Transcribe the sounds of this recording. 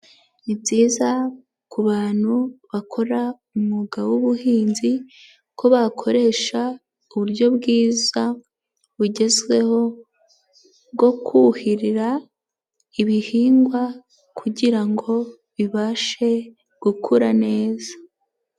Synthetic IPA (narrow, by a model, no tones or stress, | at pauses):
niziːza | kuβaːn̥huβakʰo̞ɾa | umuɡawuβuhiːnzi | ko̞βakʰo̞ɾe̞ʃa | uβuɾɟo̞bɡiːza | βuɟe̞zɡwe̞ho̞ | ɡo̞kʰuhiɾiɾa | iβihiːŋɡwa | kʰuɟiɾaŋɡo̞ | βiβaʃe̞ | ɡ̥ukʰuɾane̞ːzḁ